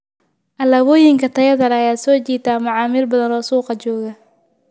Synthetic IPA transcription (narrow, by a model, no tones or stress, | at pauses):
ʔɐlɐβɔːjɪŋkʰɐt̪ʰɐjɐðɐlɛɐjaːsɔːt͡ʃiːt̪ʰaːmʊʕɑːmɪlbɐðɐnɔːsuːqɑt͡ʃɔːɣɐ